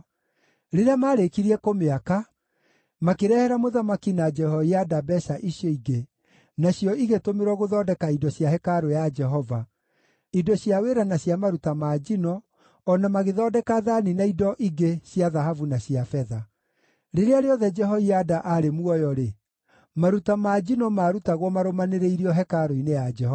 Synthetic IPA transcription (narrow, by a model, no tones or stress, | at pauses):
ɾeɾeamaːɾekiɾiɛkomeaka | makeɾɛhɛɾamoðamakinad͡ʒɛhɔiadabɛʃaʔiɕjɔiɡe | naɕjɔiɣetomeɾɔɣoðɔːdɛkaidɔɕjahɛkaɾojad͡ʒɛɦɔva | idɔɕjaweɾanaɕjamaɾutamaːd͡ʒinɔː | namaɣeðɔːdɛkaðaninaidɔʔiɡeɕjaðaɦavunaɕiafɛða | ɾeɾeaɾeɔðɛd͡ʒɛɦɔiadaʔaɾemuɔjɔɾe | maɾutamaːd͡ʒinɔmaːɾutaɣwɔmaɾomaneɾeiɾiɔɦɛkaɾoinejad͡ʒɛɦɔ